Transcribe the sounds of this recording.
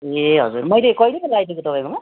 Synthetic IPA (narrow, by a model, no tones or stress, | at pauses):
eɦʌ̰d͡zurmʌjlekʌjlebelajd̪ʱikot̪ʌpaj̃koma